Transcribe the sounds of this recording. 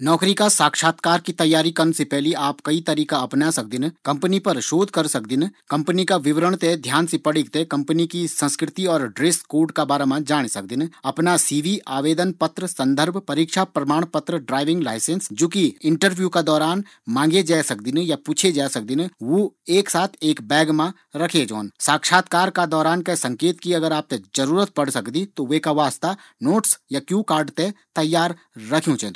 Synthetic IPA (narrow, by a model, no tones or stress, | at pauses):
nɔːkɾikasaːkʃaːt̪kaːɾkit̪ɐjːaːɾikɐnsepɛɦliaːpkɐit̪ɐɾiːkaɐpnasɐk̚d̪ɪnkɐ̃mpənipɐɾʃoːd̪ʱkɐɾsɐk̚d̪ɪnkɐ̃mpənikaʋɪʋɾəɽ̃t̪ed̪ʱjaːnsepɐɽɪkt̪ekɐ̃mpənikisɐ̃nskɾɪt̪iɔːɾɖɾeːskoːɾɖkabaːɾamãd͡ʒaːɽ̃esɐk̚d̪ɪnɐpnasiːʋiʔaːʋeːd̪ənpɐt̪ɾəsɐ̃nd̪ʱəɾbʱpɐɾiːkʃapɾɐmaːɽ̃pɐt̪ɾəɖɾaːɪʋɪ̃ŋɡlaːɪsẽnsd͡ʒoːkiɪ̃ɳʈəɾʋjuːkad̪ɔːɾaːn | mãːŋɡed͡ʒaːesɐk̚d̪inejapuːt͡ʃʰed͡ʒaːsɐk̚d̪ineʋoeːksaːt̪ʰeːkbɛːɡmã | ɾɐkʰed͡ʒo̰ːnsaːkʃaːt̪kaːɾkad̪ɔːɾaːnkesɐ̃ŋkeːt̪kiɐɡəɾaːp̚t̪ed͡ʒɐɾuːɾət̪̚pɐɽsɐkd̪it̪oʋekaʋaːst̪a | noːʈsjakjũːkaːɾɖt̪et̪ɐjːaːɾː | ɐkʰjũt͡ʃɛ